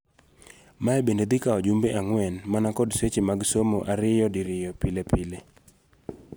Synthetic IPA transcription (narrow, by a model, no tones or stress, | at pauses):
maɛbended̪ɪkaɔd͡ʒumbeʔaŋwɛnmanakɔdset͡ʃemaɡsomoʔaɾɪjɔdiɾɪjɔpɪlepɪle